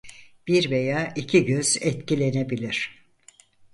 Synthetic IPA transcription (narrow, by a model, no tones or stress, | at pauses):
b̥iɾvejaːʔicʰiɟøz̥ɛt̪cilʲe̞nebilʲiɾ̝̥